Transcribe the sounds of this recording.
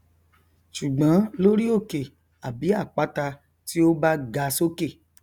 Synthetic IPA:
ʃu˨ɡ͡bã˨˦lo˦ɾi˦o˦˨ke˨ | a˨bi˨˦a˦˨k͡pa˨˦ta˧ | ti˦o˦ba˦ɡa˧so˦ke˦˨

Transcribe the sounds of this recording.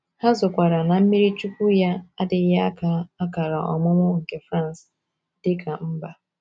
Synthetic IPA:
ha˦zʊ˨kʷa˨ɾa˨na˨m̩˦mi˦ɾi˦t͡ʃu˦kʷu˦ja˦a˦dɪ˨˦ja˦a˦ka˨a˦ka˨ɾa˨ʔɔ̰˨mʊ˦mʊ˦ŋ̩˨ke˨fɾa˦˨n˨s | dɪ˦kʰa˨m̩˦ba˦

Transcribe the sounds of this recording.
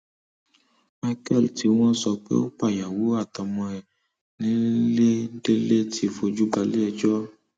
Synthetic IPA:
ma˧kɛ˦˨lti˨˦w̃ɔ̃˦sɔ˧k͡pḛ˦o˦k͡pa˦˨ja˨wo˨˦a˦˨tɔ˨˧mɔ̃˧ɛ˨ | nĩ˨˦le˦de˦le˦tʰi˧˦fo˧d͡ʒu˦ɡ͡ba˧le˦ɛ˧d͡ʒɔ˦

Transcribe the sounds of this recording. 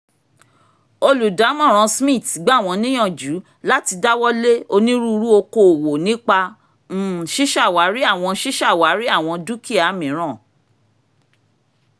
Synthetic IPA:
o˧lu˨da˨˦mɔ̃˦˨ɾ̃ɔ̃˨˧smĩ˦˨tɡ͡ba˦˨w̃ɔ̃˧nĩ˦ɔ̃˦˨d͡ʒu˨˦ | la˦ti˧da˦wɔ˦le˦o˧nĩ˦ɾu˦˧ɾu˦o˧ko˨wo˨nĩ˦k͡pa˧ | n̩˦˨ʃi˦ʃa˦˨wa˨˦ɾi˦a˦˨w̃ɔ̃˧˦ʃi˦ʃa˦˨wa˨˦ɾi˦a˦˨w̃ɔ̃˧du˦ki˦a˨˦mĩ˨˦ɾ̃ã˦˨

